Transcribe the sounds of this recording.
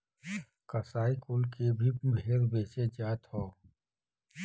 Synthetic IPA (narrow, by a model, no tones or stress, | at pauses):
kəsaːikʊlkebʱibʱeːɾbeːsed͡ʒaːt̪hoː